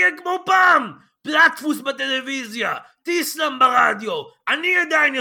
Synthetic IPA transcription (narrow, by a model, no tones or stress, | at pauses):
ekmopaːm | platfusbat̪elevizja | t̪islambaʁa̰d̪jo̞ | aniad̪ajn